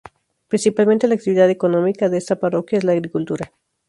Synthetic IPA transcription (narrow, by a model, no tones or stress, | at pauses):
pɾinsipalment̪e̞laːk̚t̪iβiðaðe̞ko̞nõ̞mikaðeest̪apaɾo̞kjaezlaːɣɾikult̪uɾa